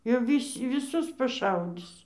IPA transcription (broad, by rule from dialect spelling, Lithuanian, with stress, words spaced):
jɛʊ ˈʋʲiːsʲ ʋʲɪˈsʊs pɐˈʃɐʊdʲɪs